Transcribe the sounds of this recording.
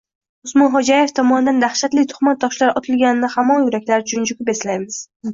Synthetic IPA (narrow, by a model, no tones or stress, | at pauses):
ʊsmɒnχɒd͡ʒajeft̪ʰɒmɒnɪd̪and̪aχʃat̪lɪt̪ʰʊ̥χmat̪̚ːɒʃlaɾɒt̪ʰɪlɡʲanɪnɪhamɒŋjʊɾakʲlaɾɪt͡ʃʰʊnd͡ʒʊkʲʊpeslajmɪz̥